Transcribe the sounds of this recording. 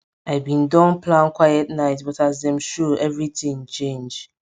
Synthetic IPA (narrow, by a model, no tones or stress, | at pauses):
aɪbĩndɔ̃nplãnkwajɛtnaɪtbɔtazdɛ̃mʃuɛvɹitĩŋt͡ʃẽnd͡ʒ